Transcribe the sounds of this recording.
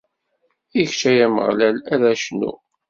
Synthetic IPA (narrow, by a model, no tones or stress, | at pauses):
içt͡ʃæjæmə̰ʁlælæðæʃnṵ